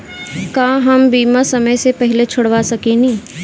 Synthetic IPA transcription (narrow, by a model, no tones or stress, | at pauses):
kaːɦɐmbiːmasɐməjsepɛɦɪlet͡ʃʰʊɽʋasɐkenĩː